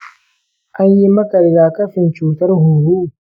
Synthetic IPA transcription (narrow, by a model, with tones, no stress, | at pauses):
ʔa˦ɲji˦mɐ˦kɐ˨ɾɡaː˨kɐ˦ɸɪ˨nt͡ʃuː˨tɐ˦rɦʊ˨ɾu˦ʔ